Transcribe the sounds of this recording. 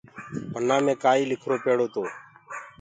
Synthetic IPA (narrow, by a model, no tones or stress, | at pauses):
pənaːmẽːkaːiːlɪkʰɾoːpeːɽoːt̪oː